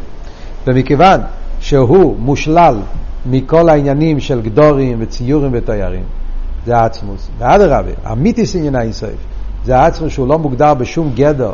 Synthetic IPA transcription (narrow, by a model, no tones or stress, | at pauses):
vɪmɪkevanʃɛɦumuʃlalmɪkɔlˠainjanimʃɛlˠɡdɔʁimvɪt͡sijuʁimvɪtɔɪa̰ʁḭmzeaat͡smusmɪadəʁa̰bɪ̰a̰mitisinjanaɪnsɔ̰ɪf | zeaat͡smusʃulˠɔmuɡdaʁbɪʃumɡɛdɛ